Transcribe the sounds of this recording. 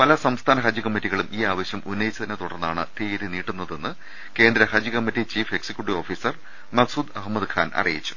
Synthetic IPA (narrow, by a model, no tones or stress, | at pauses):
pɐlɐsɐmst̪ʰaːnɐɦɐd͡ʑikɐmːitːiɣɐɭumʔiːaːʋɐɕjɐmunːɐjit͡ɕːɐðinet̪uɽɐrnːaːɳɨ̰t̪eːɾiniːʈːunːɐðe̞nːɨ | ke̞ːnd̪ɾɐhɐd͡ʑikɐmːitːit͡ɕiːfe̞ksikʲjuʈːio̞ːfiːsɐr | mɐɡsuːd̪ɐɦmɐd̪kʰa̰ːnʔɐ̰rḭjit͡ɕːu̥